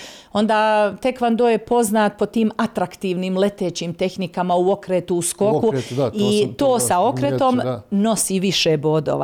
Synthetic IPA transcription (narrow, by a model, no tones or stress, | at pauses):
o̞nd̪aːt̪e̞kʋand̪oːjepo̞znaːt̪̚po̞t̪iːmat̪ɾakt̪iːʋnimle̞t̪eːt͡ɕimt̪e̞xnikamauo̞kɾeːt̪uusko̞kuit̪oːsao̞kɾet̪omno̞siʋiʃeːbo̞ːd̪o̰ːʋa̰